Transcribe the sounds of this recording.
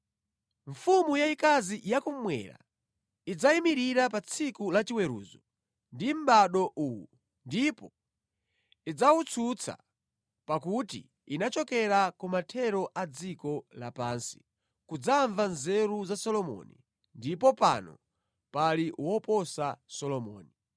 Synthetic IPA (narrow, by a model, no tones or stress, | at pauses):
ɱfumujaikazijakum̩mwɛ̰ɾa̰ | id͡zaimiɾiɾapat͡sʰikulat͡ʃiwɛɾṵːzɔ | ndim̩ɓaɗɔʔuwu | ndipɔ | id͡zawut͡sʰut͡sʰa̰ | pakutḭ | inat͡ʃɔkɛɾakumatʰɛɾɔʔad͡zikɔla̰pansi̥ | kud͡zaɱvanzɛɾuzasɔlɔmɔ̰ni | ndipɔpa̰nɔ̰ | paliwɔpɔsasɔlɔmɔ̰ːni